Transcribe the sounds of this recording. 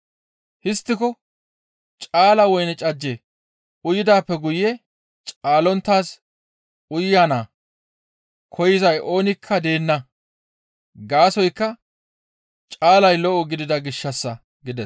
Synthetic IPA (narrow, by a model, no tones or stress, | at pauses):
hɪst̪ːɪkɔ | t͡ʃʼaːlɐwɔjnɛt͡ʃʼɐd͡ʒːe | ʔʊjɪd̪aːpːɛɡʊjːɛ | t͡ʃʼaːlɔnt̪ːaːs | ʔʊjːaːnaː | kʰɔjɪzɐjʔo̞ːnɪkʰːɐd̪e̞ːnːɐ | ɡaːsɔjkːɐ | t͡ʃʼaːlɐjlɔʔɔɡɪd̪ɪd̪ɐɡɪʃːɐsːɐ | ɡɪd̪ɛs